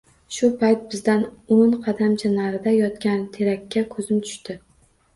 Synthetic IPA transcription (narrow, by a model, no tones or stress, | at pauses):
ʃʊpʰajt̪̚bɪzd̪anonqʰɑd̪amt͡ʃʰanaɾɪd̪ajɒt̪kʲant̪ʰe̞ɾakʲʰːakʰɵzɪmt̪ʰʊ̥ʃt̪ɪ